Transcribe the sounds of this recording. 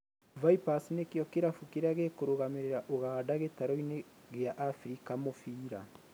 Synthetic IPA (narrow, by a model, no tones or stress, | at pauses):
vaipasinekeɔkeɾafukeɾaɣekoɾoɣameɾeɾaʔoɣaːdaɣetaɾɔineɣeaʔafɾikamofiːɾa